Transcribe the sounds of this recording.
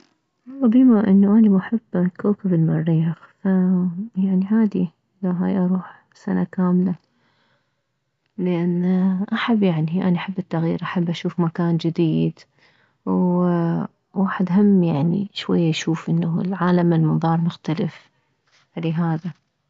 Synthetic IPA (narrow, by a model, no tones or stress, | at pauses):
ɑlˤːɑbiːmaʔɪnːuʔanamaħɪb̥ːkoːkabɪlmɑɾːiːxfajaʕniʕaːd̪i | laɦajʔɑɾˤuːħ | sanakaːmla | lɪʔanːʔaħabːjaʕniʔanaʔaħɪbːɪt̪ːaɣjḭːɾʔaħabːʔaʃuːfmakaːnd͡ʒɪd̪iːd̪ | w | waːħɪd̪ɦamːjaʕnḭʃwajːaʃuːfʔɪnːalʕaːlamɪlmɨðˤɑːɾˤmʊxt̪alɪf | ʕaleːɦaːða